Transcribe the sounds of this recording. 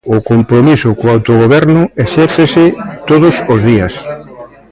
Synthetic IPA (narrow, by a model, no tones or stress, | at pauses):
ʊkompɾomisʊkoawt̪oɣoβɛɾnʊeʃɛɾθesɪt̪oðʊsozðias